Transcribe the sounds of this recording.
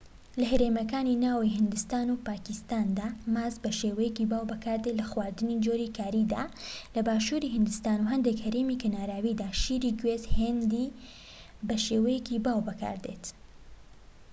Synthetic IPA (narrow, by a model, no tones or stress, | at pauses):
lɐɦɐɾeːmɐkaːninaːwiɦɨnd̪ɨst̪aːnupaːkɪst̪aːnd̪amaːzbɐʃeːwɐjekibaːwbɐkaːɾd̪et̪lɐxwaːɾd̪ɨnid͡ʒoɾiːkʰaːɾiːd̪a̰ːlɐbaːʃuːɾihɨnd̪ɨst̪aːnuɦɐnd̪ekhɐɾemikʰɐnaːɾaːwid̪aːʃiːɾiːɡwezhend̪iː | bɐʃeːwɛjekibaːwbɐka̰ːɾd̪ḛt̪